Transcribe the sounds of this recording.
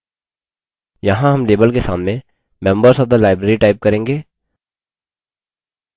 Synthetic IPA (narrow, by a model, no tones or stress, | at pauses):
jɐɦãɦɐmleːbəlkesa̰ːmnẽ | mɛ̃ːmbəɾsɔb̚d̪alaːɪbɾeːɾiʈaːɪp̚kɐɾẽːŋɡeː